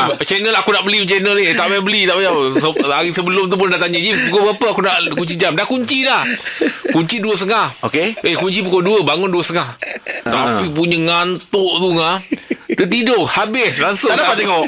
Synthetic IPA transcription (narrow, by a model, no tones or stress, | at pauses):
t͡ʃɛnəlakunaʔbəlimət͡ʃɛnəlit̪aʔbajabəlit̪aʔbajasəaɾisəbəlʊmt̪̬up̬ʊndaʔt̪aɲəd͡ʒipukobəɡapəakunaʔkuɲt͡ʃid͡ʒamdahkuɲt͡ʃilahkuɲt͡ʃiduəs̬əŋahokeehkuɲt͡ʃipukoduəbaŋʊnduəsəŋaht̪apip̬uɲəŋant̪oʔt̪uŋadət̪idoʔhabɪslaŋsʊdapaako